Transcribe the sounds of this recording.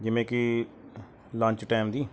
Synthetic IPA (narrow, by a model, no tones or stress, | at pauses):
d͡ʒɪʋẽːki | lãːɲt͡ʃʈaːmd̪iː